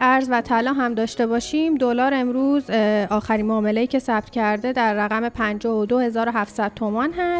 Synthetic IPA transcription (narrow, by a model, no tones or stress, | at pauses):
æɾzvæt̪ʰælɒːɦæmd̪ɒːʃt̪e̞bɒːʃimd̪olɒːɾe̞mɾuːzʔɒːxæɾiːnmoːme̞lejiːcʰe̞sæb̚t̪ʰcʰæɾd̪e̞d̪æɾːæɣæme̞pʰænd͡ʒɒːhod̪o̞he̞zɒːɾo̞ɦæft̪sæd̪̚t̪ʰo̞mɒnɦæs